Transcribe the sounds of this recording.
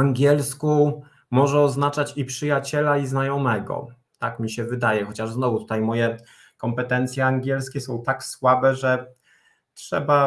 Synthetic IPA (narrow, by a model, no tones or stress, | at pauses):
aŋɡʲɛlsku | mɔʐɛɔznat͡ʂat͡ɕipʂɘjat͡ɕɛlaiznajɔmɛɡɔ̰ | t̪akmʲiɕɛvɘd̪ajɛxɔt͡ɕaʐznɔvut̪u̥t̪ajmɔjɛ | kɔmpɛt̪ɛnt̪sʲjɛaŋɡʲjɛlskʲɛsɔ̃w̃t̪akswabɛʐɛ | tʂɛ̰ba